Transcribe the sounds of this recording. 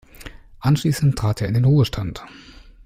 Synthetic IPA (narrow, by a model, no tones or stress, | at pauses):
ʔanʃliːsn̩ttʰʁ̥aːtʰeːɐɪndeːnʁuːəʃtʰant